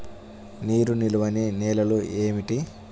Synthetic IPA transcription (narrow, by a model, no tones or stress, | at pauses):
niːɾuniluʋɐnineːlɐlueːmiʈi